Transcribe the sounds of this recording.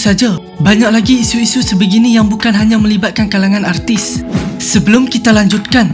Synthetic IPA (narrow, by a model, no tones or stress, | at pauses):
sad͡ʒa | baɲak̚laɡiːsuisusəbəɡinijaŋbukanɦaɲãmə̃libat̪̚kankalaŋanart̪ɪsːəbəlʊmkit̪alaɲd͡ʒut̪̚kan